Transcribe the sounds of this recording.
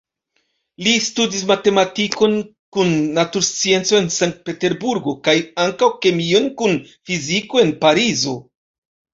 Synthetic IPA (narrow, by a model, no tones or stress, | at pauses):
listudis̬mate̞matiko̞n | kunːatuɾst͡sie̞nt͡so̞e̞nsaŋk̚t̚pe̞te̞ɾbuɾɡo̞kajaŋkawke̞mio̞nkun | fiziko̞e̞npaɾizo̞